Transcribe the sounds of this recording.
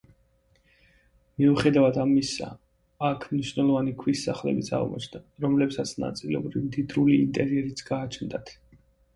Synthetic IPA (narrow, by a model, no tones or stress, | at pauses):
miuχɛd̪avad̪amisa̰ː | kʰmniʃvnɛlˠɔvanikʰwisːaχlɛ̰bit̪sʰa̰ʁ̰mɔ̰t͡ʃʰnd̪aɾɔmlɛpsat̪sʰna̰t̪sʼilɛɔbɾimd̪id̪ɾuliint̪ʼɛɾiɛɾit̪sʰɡaːt͡ʃʰnd̪at̪ʰ